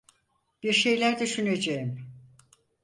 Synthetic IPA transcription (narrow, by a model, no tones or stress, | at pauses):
b̥iɾʃe̞jlʲæɾd̪yʃyned͡ʒejim